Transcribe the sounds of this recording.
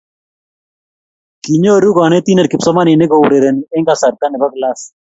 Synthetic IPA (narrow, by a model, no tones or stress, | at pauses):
kiɲoɾukɔnet̪ineɾkɪpsɔmaninekowɾeɾenieŋɡasaɾt̪anɪbaklas